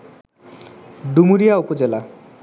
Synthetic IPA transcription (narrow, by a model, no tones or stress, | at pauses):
ɖumuɾijaopod͡ʑela